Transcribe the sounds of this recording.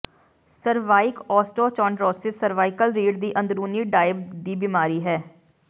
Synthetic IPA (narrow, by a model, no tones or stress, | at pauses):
səɾʋaːɪkɔːsʈɔːt͡ʃɔ̃ːɳɖɾɔːsɪsːəɾʋaːɪkəlɾiːɖd̪iːʔə̃nd̪ɾuːniːɖaːɪb̚d̪iːbimaːɾiːɦɛː